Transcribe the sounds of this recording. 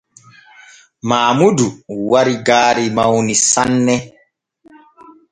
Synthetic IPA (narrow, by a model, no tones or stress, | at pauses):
maːmuduwaɾiɡaːɾimawnisanːɛ